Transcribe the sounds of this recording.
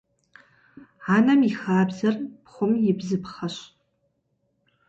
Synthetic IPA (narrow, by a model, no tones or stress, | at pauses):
anamiχaːbzarpʰχʷʊmjɪbzɨpʰχaʃʷ